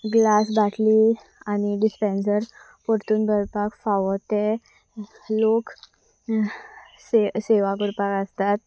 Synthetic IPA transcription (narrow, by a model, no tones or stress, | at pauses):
ɡlasbaʈʰli | aniɖispẽnsəɾ | poɾt̪uːnbʱəɾpakfaʋət̪e | lok | seseʋaɡuɾpakəst̪at̪